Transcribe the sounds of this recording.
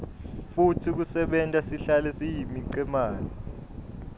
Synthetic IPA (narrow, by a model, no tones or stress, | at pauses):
futʰik̬usɛɓɛntʼasiɬalɛsijimiǀɛmaːnɔ